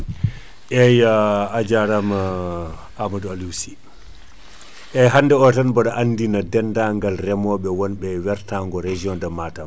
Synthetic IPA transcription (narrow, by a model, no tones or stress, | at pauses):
ʔɛjaːd͡ʒaɾama | amadalusi | ʔɛɦanːdɛɔtanbɔɗaʔanːdinadɛndaŋɡalrɛmɔɓɛwɔnɓɛwɛɾtaŋɡɔɾed͡ʒiɔndamaːtam